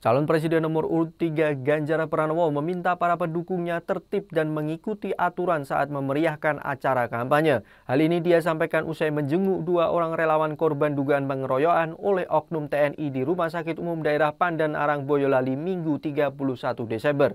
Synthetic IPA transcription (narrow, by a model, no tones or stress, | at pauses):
t͡ʃalɔnpɾes̬idɛnːɔmʊrṵɾʊt̪ːiɡaɡaɲd͡ʒaɾapəɾanwɔməmint̪apaɾapəndukʊŋɲat̪ərt̪ɪp̚danməŋikut̪iʔat̪uɾansa̰ʔa̰t̪̚məməɾiahkanʔa̰t͡ʃaɾakampaɲa | halinidias̬ampajkanʔusajməɲd͡ʒəŋuʔduaʔoɾaŋrelawankɔrbanduɡaanpəŋəɾojoanolɛhʔɔk̚nʊmt̪eɛnʔidiɾumahs̬akɪt̪umʊmdaeɾahpandana̰ɾaŋbojɔlalimiŋɡut̪iɡapuluhsat̪udesɛmbər